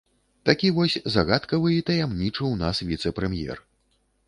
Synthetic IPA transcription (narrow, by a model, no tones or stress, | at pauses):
t̪akʲivɔsʲzaɣat̪kɐvɨit̪ɐjamnʲit͡ʂɨwnasvʲit̪sɛpɾɛmjɛ̰r